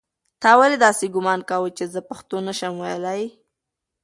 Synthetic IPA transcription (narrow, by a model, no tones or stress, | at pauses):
t̪ɑwaled̪ɑseɡʊmɑnkawət͡ʃezəpaxt̪onəʃəmwajəlaj